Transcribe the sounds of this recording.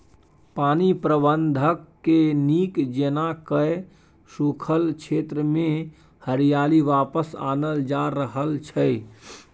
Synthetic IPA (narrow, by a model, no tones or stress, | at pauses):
panipɾəbənd̪ʱəkːenikd͡ʒenakəj | sukʰəlt͡ʃʰet̪ɾəme | həɾijaliʋapəsa̰nəld͡ʒaɾəɦəlt͡ʃʰəj